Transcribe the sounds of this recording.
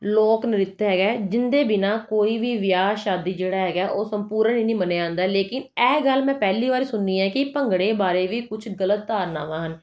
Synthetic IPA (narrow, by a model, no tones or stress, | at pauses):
loːknɪɾɪt̪ɦɛːɡɛːd͡ʒɪnd̪eːbɪnaːkoːiːʋiːʋjaːʃaːd̪iːd͡ʒeːɽaːɦɛːɡaːʔoːsəmpuːɾəniːnĩːməneːãːnd̪aːleːkɪnɛːɡəlːmɛ̃ːpɛːliːʋaːɾiːsʊnːiːɛ̃ːkɪpəŋɡɽeːbaːɾeːʋiːkʊt͡ʃʰɡələt̪̚ːaːɾnaːʋãːɦən